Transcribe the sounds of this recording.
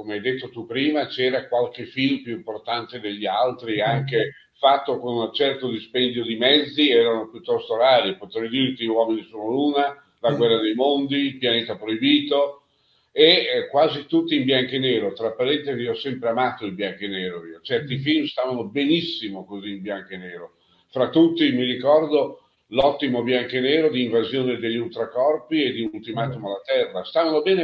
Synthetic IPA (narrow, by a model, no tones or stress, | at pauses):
komeajd̪et̪ːot̪upɾiːmat͡ʃɛːɾakwalkefilmpjuimport̪ant̪ed̪eʎːialt̪ɾiaŋke | fat̪ːokonunat͡ʃɛrt̪od̪ispɛnd̪jod̪imɛd̪zːiɛːɾanopjut̪ːɔst̪oɾaːɾipot̪ɾɛjd̪iːɾek̪ewɔːminisoːnoluːna | laɡwɛrːad̪ejmond̪iːlpjaneːt̪apɾoibiːt̪o | ekwaːzit̪ut̪ːiːmbjaŋkeneːɾot̪ɾapːaɾɛnt̪eviɔsːɛmpɾeamaːt̪oilbjaŋkeneːɾoiot͡ʃɛrt̪ifilmst̪aːvanobenisːimokoziːmbjaŋkeneːɾo | fɾat̪ːut̪ːimirikɔrd̪o | lɔt̪ːimobjaŋkeneːɾod̪iːɱvazjoːned̪eʎːult̪ɾakɔrpied̪iult̪imaːt̪omalat̪ɛrːast̪aːvanobɛːne